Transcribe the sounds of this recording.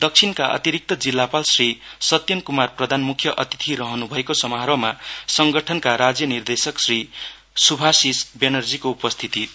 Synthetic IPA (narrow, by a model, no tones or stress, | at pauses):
d̪ʌk̚t͡sʰinkaʔʌ̰t̪iɾik̚t̪ʌd͡zilːapalsrisʌt̪jʌnkumarprʌd̪ʱanmukʰjʌʔʌt̪it̪ʰiɾʌɦʌnubʱʌekosʌmʌɦaɾʌmasʌŋɡʌʈʰʌnkaɾad͡zjʌnird̪esʌksri | subʱasisbenʌrd͡zikoupʌst̪ʰit̪i